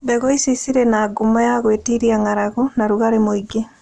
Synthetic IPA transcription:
bɛɣoisisiɾɛnaːɡumajaɣweːtiɾiaŋaɾaɣonaɾuɣaɾemoiɡe

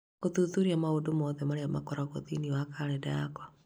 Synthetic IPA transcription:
koðuðuɾiamaodomɔðɛmaɾeamakɔɾaɣo̰ðiniwakaɾɛdaakwa

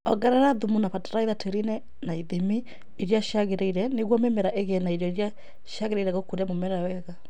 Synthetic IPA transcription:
ɔɡɛɾaɾaðumunapataɾaiðatʰeɾinɛ | naiðimi | iɾjaʃaɣeɾeiɾɛneɣwɔmemɛɾaʔeɣɛnaiɾjɔiɾja | ʃaɣeɾeiɾɛɣokoɾamomɛɾawɛɣa

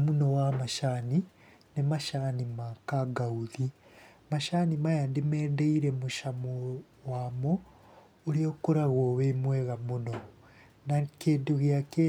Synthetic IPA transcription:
munowamaʃani | nemaʃanimakaɡauðimaʃanimajadimeːdeiɾemuʃamo | wamo | uɾiokuɾaɣoβemweɣamuno | nakeːduɣjake

